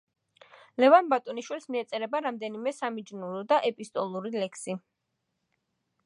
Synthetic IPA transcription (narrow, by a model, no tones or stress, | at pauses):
lɛvanbat̪ʼɔniʃwilsmiɛt̪sʼɛɾɛbaɾamd̪ɛnimɛsamid͡ʒnuɾɔd̪aʔɛpʼist̪ʼɔlˠuɾilɛkʰsi